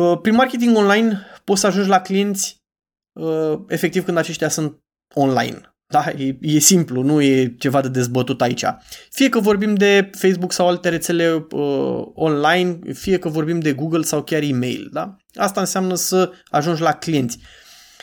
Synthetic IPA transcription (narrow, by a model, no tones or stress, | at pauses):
əpɾinmarkʲe̞t̪̬iŋɡo̞nlajnpo̞t̪səaʒund͡ʒʲlaklije̞nt̪sʲ | əe̞fekt̪ivkɨnd̪at͡ʃe̞ʃt̪ʲjasunt̪̚ | o̞nla̰jn | d̪ajeje̞simplunuje̞t͡ʃe̞vad̪e̞d̪e̞zbət̪ut̪ait͡ʃa̰fije̞kəvo̞ɾbimd̪e̞fe̞jsbuksawalt̪e̞ɾe̞t̪se̞le̞ə̰o̞nlajnfije̞kəvo̞rbimd̪e̞ɡuɡəlsawkʲarime̞̰jld̪a | ast̪aɨnseamnəsəaʒund͡ʒʲlaklije̞nt̪sʲ